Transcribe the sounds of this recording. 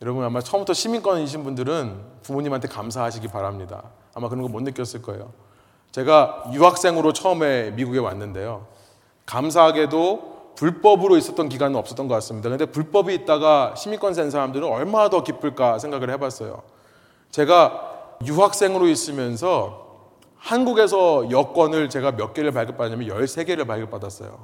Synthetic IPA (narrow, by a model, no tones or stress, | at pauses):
jʌɾʌbɯnamat͡ɕʰʌʌmbutʰʌɕʰimink͈wʌniɕ̬ʰinbundɯɾɯnpumuɲimɦantʰe̞kamsʰaɦaɕʰiɡipaɾamɲida̰ː | makɯɾʌŋɡʌmwʌnːɯk͈jʌs͈ɯɭk͈ʌejo̰ | t͡ɕe̞ɡajuɦak̚s͈e̞ŋɯɾot͡ɕʰʌɯme̞miɡuɡe̞wa̰nːɯnde̞jo | kams̬ʰaɦaɡe̞dopuɭp͈ʌbɯɾois͈ʌt͈̚ʌnk̬iɡanɯnʌps͈ʌt͈ʌnŋɡʌk͈ats͈ɯmɲidakɯndepuɭp͈ʌbiːt̚t͈aɡaɕʰimik͈wʌns̬ʰens̬ʰaɾamdɯɾɯnʌɭmadʌkip͈ɯɭk͈asʰe̞ŋɡaɡɯɭhe̞bas͈ʌjo̰ | t͡ɕe̞ɡajuɦak̚s͈e̞ŋɯɾois͈ɯmjʌns̬ʰʌ | hanɡuɡe̞sʰʌjʌk͈wʌnɯɭt͡ɕe̞ɡamjʌk͈̚eɾɯɭpaɭɡʌp͈adaɲamjʌnjʌɭsʰe̞ɡe̞ɾɯɭpaɭɡʌp͈adas͈ʌ̰jo̰